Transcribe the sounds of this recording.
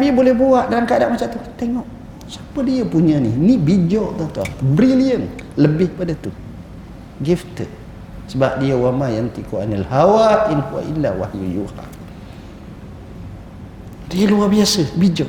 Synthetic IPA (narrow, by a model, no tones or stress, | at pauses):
abibolɛhbuaʔdalamkaadaʔmat͡ʃaʔt̪ut̪eŋɔʔ | sḁpədiəpuɲəninibid͡ʒɔʔt̪at̪ualbɾiliənləbɪhpadat̪u | ɡift̪əd̚ | səbap̚diəwamajant̪ikoanalhawainkua̰ʔilːawa̰hjṵjṵha̰ | diəluarbiasəbid͡ʒɔʔ